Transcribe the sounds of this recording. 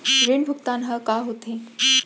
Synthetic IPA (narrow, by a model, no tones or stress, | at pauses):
ɾeɳbʱukt̪anɦəkaɦot̪ʰe